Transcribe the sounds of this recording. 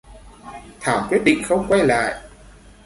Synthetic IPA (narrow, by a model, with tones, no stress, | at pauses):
t̪ʰaː˧˩wkwi˦˥ət̚ɗḭ˧˨ŋ̟xə˧wŋ͡mkwa˧jla̰ː˧˨j